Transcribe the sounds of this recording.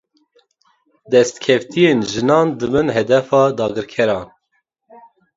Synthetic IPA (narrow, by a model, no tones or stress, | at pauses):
d̪ɛst̪kʲʰɛft̪ijeːnʒɨnɑːnd̪ɨbɨnɦɛd̪ɛfɑːd̪ɑːɡɨɾkʰɛɾɑːn